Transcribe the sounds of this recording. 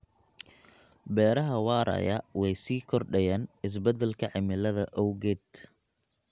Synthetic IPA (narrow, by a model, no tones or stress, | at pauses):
bɛːɾɐɦɐwɑːɾɐ̰jɐwɛjsiːkʰɔrɖɛjaːnɪs̬bɐd̪ɛlkʰɐʕɪmɪlɐðɐʔɔwɣɛːd̪